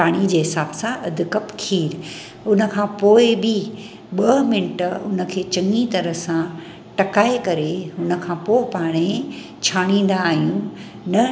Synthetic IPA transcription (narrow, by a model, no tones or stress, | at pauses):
paːɽ̃id͡ʑeːɦɪsaːbsãɐd̪ʱɪkɐpkʰiːɾ | ʊnə̆kʰãpoːɪbɪ | ɓɐɦmɪnʈʊnə̆kʰeːt͡ɕɐ̃ŋɡit̪ɐɾəɦsã | ʈɐkaːekɐɾeɦʊnə̆kʰãːpoːɪpaːɽ̃e | t͡ɕʰaːɽ̃ĩːn̆d̪aːɦijũ | nɐ